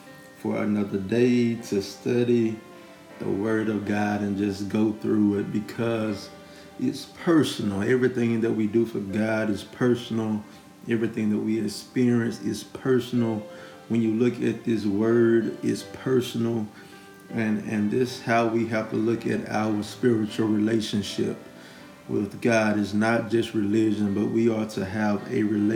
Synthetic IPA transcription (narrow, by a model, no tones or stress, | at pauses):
fə̰˞ɨ̰nʌðə˞deɪtʰɨstʌɾi | ðə̰wɜ˞ɾʌvɡɑɾɨ̃nd͡ʒʌsɡ̥oʊθɹuɪt̚b̥ɨkʰʌz | ɪtspʰɜ˞sn̩l̩ˠɛvɹiθɪ̃ŋðɨt̚widɨfə˞ɡɑɾɨz̥pʰɜ˞sn̩l̩ˠ | ɛvɹiθɪ̃ŋðɨt̚wiɨkspɪɹiɨ̃nsɪ̰z̥pʰɜ˞sn̩l̩ˠ | wə̃njɨlʊkɨt̪̚ðɪs̬wɜ˞ɾɪ̰tspʰɜ˞sn̩l̩ˠ | ɨ̃nɨ̃nðɪshaʊwiɦæftʰəlʊkɨ̰ɾa̰ʊə˞spɪɹɨt͡ʃl̩ˠɹileɪʃɨ̃nʃɪ̰p̚ | wɪ̰ðɡɑɾɨznət̚d̥ʒ̥ʌst̚ɹilɪd͡ʒɨ̃nbʌ̰ʔ̚wiɑtʰɨəvɨ̰ɹil